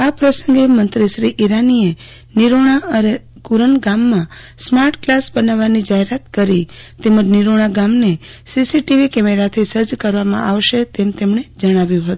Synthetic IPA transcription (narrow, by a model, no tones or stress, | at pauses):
apɾəsə̃ŋɡemənt̪ɾiʃɾiʔiɾanie | niɾoɽ̃aəne | kuɾəɳɡamːãsmaɾʈklasbənaʋanid͡ʒaɦeɾat̪kəɾit̪eməd͡ʒniɾoɽ̃aɡamnesisiʈiʋikɛmeɾat̪ʰisəd͡ʒkəɾʋamã̰ʔaʋʃet̪emt̪emɳed͡ʒəɽ̃aʋjũɦət̪ũ